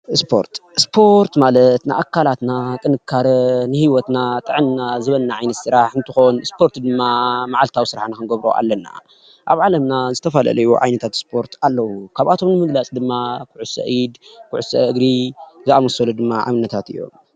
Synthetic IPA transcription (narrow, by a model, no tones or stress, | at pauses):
spʰo̞̰ɾt̪spʰo̞ɾt̪malɐt̪nɨ̰ʔakʰːalat̪nakʼɨnɨkʰːaɾɐnɨhiwɔt̪nat̪ʼɨʕɨnnazɨβɐlnaʕajnɐt̪sɨɾaħɨnt̪ʰɨxo̞nɨspʰo̞ɾt̪d̪ɨmːamaʕalt̪ʰawisɨɾaħnakɨnɡɐβɾo̰ʔa̰lːɐna̰ | ʔaβʕalɐmnazɨt̪ʰɐfalɐ̰lɐjṵʕa̰jnɐt̪ʰat̪spʰo̞ɾt̪ʰalːɐwukʰaβat̪ʰo̞mnɨmɨɡlat͡sʼd̪ɨmːakʰɨʕusɐ̰ʔid̪kʰɨʕusɐɨɡɾizɨamɐsɐlud̪ɨmːaʕa̰βɨnːɐt̪ʰat̪ɨ̰jːo̞̰m